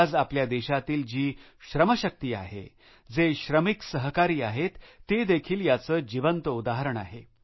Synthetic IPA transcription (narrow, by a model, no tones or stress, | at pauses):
d͡zapljad̪eɕat̪iːld͡ʑiː | ɕɾəməɕək̚t̪iːa̰ɦḛ | d͡zeɕɾəmiksəɦkaɾiːaɦet̪ːed̪ekʰiːljat͡səːd͡ʑiʋənt̪əud̪aɦəɾəɳa̰ɦe